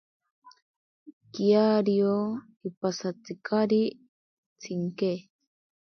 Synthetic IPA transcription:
kiaɾio | ipasat͡sikaɾi | t͡sʰiŋke

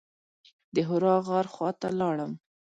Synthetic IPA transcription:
d̪əɦʊɾɑɣɑɾxwɑt̪a̰lɑɽəm

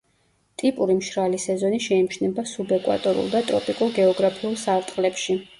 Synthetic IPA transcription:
t̪ʼipʼuɾimʃɾalisɛzɔniʃɛimʃnɛbasubɛkʼwa̰t̪ʼɔɾṵlˠd̪at̪ʼɾɔ̰pʼikʼuɾɡɛɔɡɾapʰiulˠsaɾt̪ʼqʼlɛpʃi

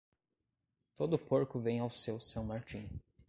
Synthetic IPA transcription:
t̪od̪ʊpoɾkʊvẽj̃awsewsɐ̃w̃maɾt͡ʃĩ

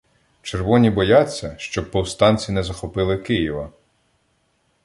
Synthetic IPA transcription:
t͡ʃerʋɔnʲibɔjɑt͡sʲːɐʃt͡ʃɔb̚pɔwst̪ɑnʲt͡sʲinɛzɐxɔpɪlˠɪkɪjiʋɐ

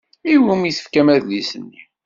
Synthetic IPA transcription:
iwumiθə̥fkæmæðlisənːi

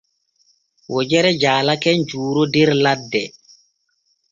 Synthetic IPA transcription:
wɔd͡ʒɛɾɛd͡ʒaːlakɛnd͡ʒuːɾodɛɾladːɛ

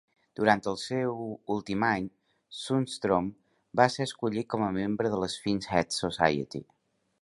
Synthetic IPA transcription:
d̪̥uɾant̪əlˠsɛwulˠt̪imaɲ | sunst̪ɾom | baseɾəskuʎit̪̚kɔməmembɾəðələsfinsɛt̪susa̰jə̰t̪ḭ

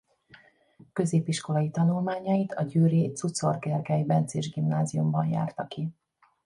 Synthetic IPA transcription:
kø̞zeːpiʃko̞lɒjit̪ɒnulmaːɲɒjit̪ʰɒɟyːɾit̪sut̪so̞rɡɛrɡɛjbɛnt̪seːʒɡimnaːzijumbɒnja̰ːrt̪ɒki

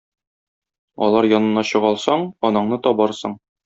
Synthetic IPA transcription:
ɒ̰lˠɑɾjɒnɤ̆nːɑɕɤ̆ʁɒlˠsɑɴɒnɤ̆ɴnɤt̪ɒbɑɾsɤɴ

